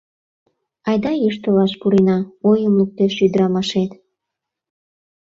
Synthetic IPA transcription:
ɑjd̪ɑjiʃt̪ə̆lɑʃpuɾenɑojəmluk̚t̪eʃyd̪əɾɑmɑʃet̪

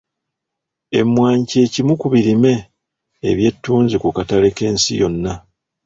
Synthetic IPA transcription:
e̞̰mːwaːɲce̞ːcimukuβiɾime̞̰ː | βje̞tːuːnzikukatale̞ke̞ːnsḭjo̞nːa

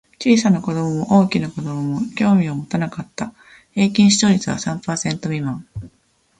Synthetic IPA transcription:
t͡ɕiːsanako̞d̪o̞momoʔo̞ːkʲinako̞d̪o̞momo̞kʲo̞ːmʲiomo̞t̪anakat̪ːa | he̞ːkʲĩɰ̃ɕi̥t̪o̞ɾʲit͡sɨβa̰sãmpaːsẽ̞nt̪o̞mʲimã

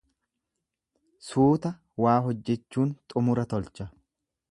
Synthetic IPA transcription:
suːt̪ɐ | waːɦɔd͡ʒːɛt͡ʃːuːnt̪ʼʊmʊɾɐt̪ɔlt͡ʃɐ

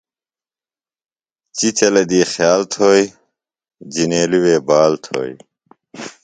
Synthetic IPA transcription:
t͡ɕit͡ɕɐlɐd̪iːxjaːlt̪ʰoːj | d͡ʑineːliweːbaːlt̪ʰo̰ːj

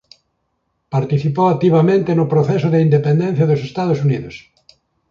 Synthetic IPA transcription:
paɾt̪iθipoak̚t̪iβamẽnt̪ɪnʊpɾoθɛs̬ʊðeind̪epend̪ɛ̃n̟θjɐðʊsest̪aðosuniðʊs

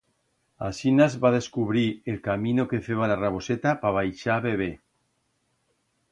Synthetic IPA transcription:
asinazβaðe̞skuβɾielkamĩnoke̞feβalaraβ̞o̞set̪apaβ̞ajʃaβeβ̞e

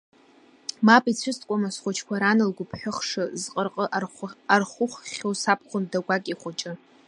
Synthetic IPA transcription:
mapʼit͡sʷʰʊstʼkʷʼamasχʷʊt͡ʃʰkʷaɾanɨlɡʷʊpʰħʷᶣʊχʂɨzqʼərqʼəʔarχʷʊχʷʲowsap̚ʰχʷʊndaɡʷakʼiχʷʊt͡ʃʼɪ

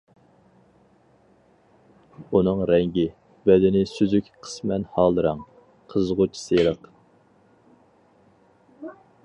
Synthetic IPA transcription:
unɨŋɾɛŋɡʲɪ | bɛd̪ɪnɪsyzykʲqʰə̥smɛnhɑːlˠɨɾɑŋ | qʰəzʁʊt͡ʃʰi̥selˠəq

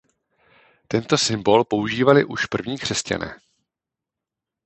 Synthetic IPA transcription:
t̪ɛnt̪o̞sɪmbo̞lpo̞uʒiːvalɪʔuʃpr̩vɲiːkr̥ɛsca̰nʔɛ̰ː

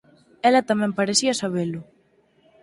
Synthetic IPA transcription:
ɛlɐt̪amɛ̃mpaɾesiɐsaβ̞elʊ

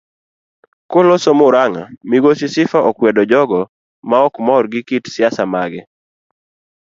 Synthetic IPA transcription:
kolosomʊɾaŋa̰miɡosɪsɪfaʔɔkwɛdɔd͡ʒɔɡɔ | maɔkmɔrɡɪkitsjasamaɡɪ

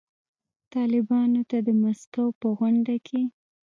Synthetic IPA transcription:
t̪ɑlɪbɑnot̪ad̪əmaskawpəɣwaɳɖakʰe

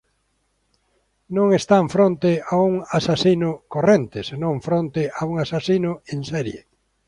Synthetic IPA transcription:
nõŋest̪aɱfɾõnt̪ɪauŋasasinʊkorent̪ɪsenõŋfɾont̪ɪʔauŋasasinʊẽnsɛɾjḛ

